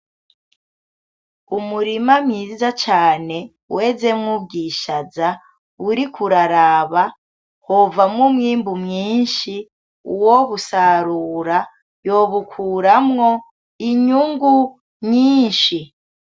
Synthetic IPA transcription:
umuɾimamɲiːzat͡ʃaːne̞ | we̞ze̞mŋubɡiːʃaza | uɾikʰuɾaɾaːβa | hovamŋumŋiːmbumɲiːnʃi | uwoβusaɾuːɾa | joβukʰuːɾamŋo̞ | iɲuŋɡu | ɲiːnʃi

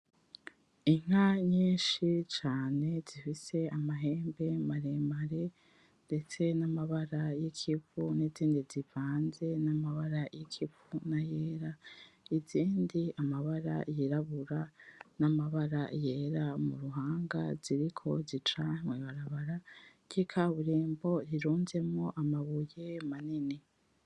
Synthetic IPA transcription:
iŋ̥aɲiːnʃit͡ʃaːne̞z̥ifise̞amaɦe̞ːmbe̞maɾemaɾe̞ | nde̞t͡se̞namaβaɾajikʰifuniziːndizivaːnze̞namaβaɾajikʰipunajeːɾaiziːndiamaβaɾa̰jiɾaβuɾanamaβaɾa̰jeːɾamṵɾuɦaːŋɡa̰z̥iɾikʰo̞zit͡ʃaweβaɾaβaɾakikʰaβuɾeːmbo̞ɾiɾuːnze̞mŋo̞ʔamaβujemanini

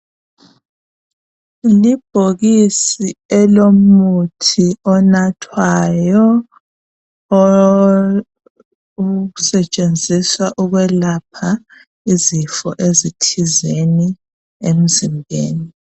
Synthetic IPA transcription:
lib̥ʱoɣisiɛlomutʰiɔnatʰwajɔ | usɛt͡ʃʼend͡zʱiswaʔuɣwɛlapʰa | izifɔʔezitʰizeni | em̩zimbʱḛːni

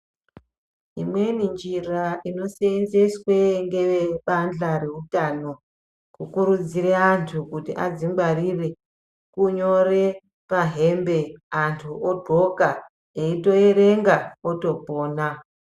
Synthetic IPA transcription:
ɦimwe̞nind͡ʒiraʔino̞seenzeswe̞ŋɡe̞ʋeɓand͡ɮaɾe̞utano̞ | kukuɾud͡zireantʰukutiʔa̰d͡zimɡwarire̞ | kuɲo̞re̞ | paɦe̞mbe̞antʰuodʱo̞ka | eito̞eɾeŋɡaoto̞poːna

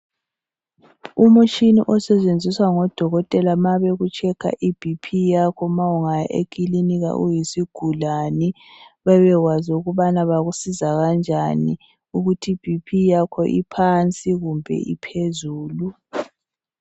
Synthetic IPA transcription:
umut͡ʃʰʼinḭʔɔsɛt͡ʃʼend͡zʱiswaŋɔd̥ʱɔɣɔtʼɛlamaβeɣut͡ʃʰʼɛkʰa̰ʔib̥ʱipʰijakʰɔmawuŋajaʔḛkʼiliniɣa̰ʔujisiɡ̥ʱulani | βɛβɛɣwaziuɣuβanaβaɣusizaɣand͡ʒʱani | uɣutʰib̥ʱipʰijakʰɔʔipʰant͡sʼiɣumbʱɛ̰ipʰezuːlu

